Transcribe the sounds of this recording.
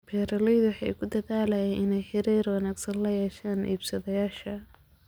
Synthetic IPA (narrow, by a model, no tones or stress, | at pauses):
pʰɛːɾɐlɛjðʊwħɑjkʰʊd̪ɐðaːlɐjɛʔɪnɛjħɪɾiːrwɑnaːɡsɐnlɐjɛːʃaːnʔḭːbsɐðɐjaːʃɐ